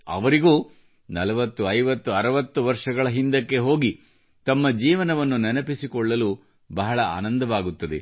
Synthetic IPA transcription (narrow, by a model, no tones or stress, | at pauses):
ɐ̰ʋɐɾiɡuː | nɐlɐʋɐt̪ːuɐjʋɐt̪ːuɐɾɐʋɐt̪ːuʋɐɾʂɐɡɐɭɐɦind̪ɐkːe̞ɦoːɡi | t̪ɐmːɐd͡ʒiːʋɐnɐʋɐnːunɐnɐpisikɔɭːɐlu | bɐɦɐɭɐa̰ːnɐnd̪ɐʋaːɡut̪ːɐd̪e̞